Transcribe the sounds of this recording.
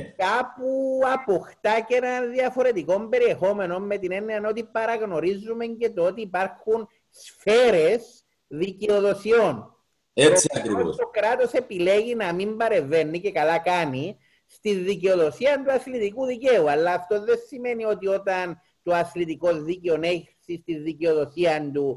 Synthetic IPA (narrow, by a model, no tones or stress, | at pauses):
kapuɐpoxt̪acenɐnðiɐfo̞ɾe̞t̪iko̞mbe̞ɾie̞xo̞me̞no̞nme̞t̪ine̞nːeɐno̞t̪ipɐɾɐɣno̞ɾizːume̞ɲce̞t̪oot̪iːpaɾxun | sfe̞ɾes | ðiceo̞ðo̞sio̞n | eskɾioost̪okɾat̪o̞se̞pile̞ɣinɐmimbɐɾe̞ve̞nːice̞kɐlakani | st̪inːiceo̞ðo̞siɐnt̪uɐθlit̪ikuðice̞uɐlːɐːft̪o̞ðesime̞nio̞t̪io̞t̪ɐn | t̪oɐθlit̪iko̞zːiceoneçsist̪iðiceo̞ðo̞siɐnd̪u